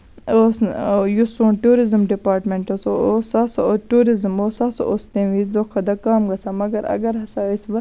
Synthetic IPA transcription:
osjusuːɳʈuːɾizmɖipaːɾʈmeɳʈosoosasoʈuːɾizmoːsɐsʔost̪ẽːʋiːzd̪okʰːɐd̪ɐkaːmɡɐsamɐɡɐɾɐ̰ɡɐɾɦɐsaisʋɐ

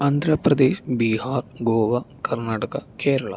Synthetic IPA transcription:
ɐnd̪ʱɾɐpɾɐd̪eːʃbiːhaːrɡoːʋɐkɐrnaːʈɐkɐkeːɾɐɭɐ̰

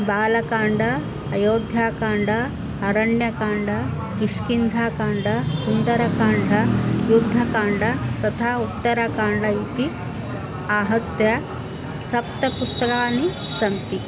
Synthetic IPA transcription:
baːlɐkaːɳɖʱɐː | joːd̪ʱjaːkaːɳɖɐ | ɐɾɐɳjɐkaːɳɖɐ | kiʂkind̪ʱaːkaːɳɖɐsund̪ɐɾɐkaːɳɖʱɐjud̪ʱːɐkaːɳɖɐt̪ɐt̪ʰaːut̪ːɐɾɐkaːɳɖɐit̪i | aːɦɐt̪jɐ | sɐpt̪ɐpust̪ɐkaːni | sɐmt̪i

